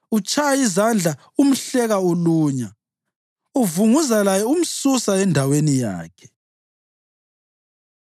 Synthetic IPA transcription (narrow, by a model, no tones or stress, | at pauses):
ut͡ʃʰʼajaizand͡ɮʱa | um̩ɬɛɣauluːɲa | uvuŋuzalajɛum̩susaɛndʱawenija̰ːkʰɛ̥